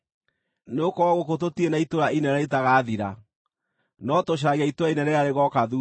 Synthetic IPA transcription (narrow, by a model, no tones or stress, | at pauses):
neokɔɾaɣokototienaitoɾainɛɾɛetaɣaːðiɾa | nɔtoɕ̬aɣiaitoɾainɛɾɛaɾeɣɔkaðu